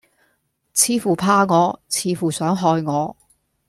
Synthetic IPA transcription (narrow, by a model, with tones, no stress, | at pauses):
t͡sʰiː˨˧fuː˨˩pʰaː˧ŋɔː˨˧t͡sʰiː˧fuː˨˩sœː˨˥ŋɦɔː˧jŋɔː˨˧